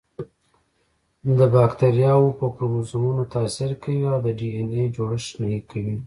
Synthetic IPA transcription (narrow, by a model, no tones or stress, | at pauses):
d̪əbɑkt̪aɾjɑwopəpmusumunot̪asɪɾkawiawd̪əɖiened͡ʒoɽəʃnajikawi